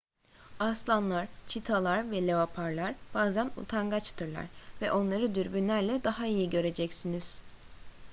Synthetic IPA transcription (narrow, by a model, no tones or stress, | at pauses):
aslˠanlˠaɾ̥t͡ʃʰit̪ʰalˠaɾvɛlʲe̞vapʰaɾlˠaɾb̥aːzænṵt̪ʰaŋɡat͡ʃt̪ʰɯɾlˠa̰ɾ̥vɛʔo̞nlˠaɾɯd̪yɾbynlʲæɾlʲɛd̪aɦaijiɟø̞ɾe̞d͡ʒɛcsiniz̥